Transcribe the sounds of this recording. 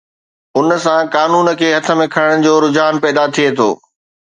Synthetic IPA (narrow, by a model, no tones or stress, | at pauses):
ʊnə̆sãkaːnuːnə̆kʰeːɦɐt̪ʰə̆mẽkʰɐɽɪɽ̃ɪ̆d͡ʑoːɾʊd͡ʑaːnpɛːd̪at̪ʰiet̪ʰo̰ː